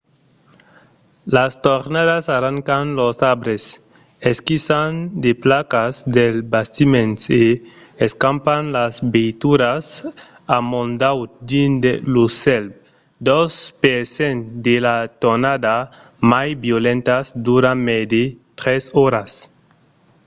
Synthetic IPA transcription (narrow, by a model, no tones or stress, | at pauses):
last̪oɾnaðasaraŋkanlosabɾes | eskisand̪eplakazd̪elbast̪imẽnse | eskampanlazbejt̪uɾas | amõnd̪awd̪ind̪elusɛlb̚ | d̪ɔspesend̪elat̪onad̪a | majbjolẽnt̪asd̪uɾamed̪et̪ɾesɔɾas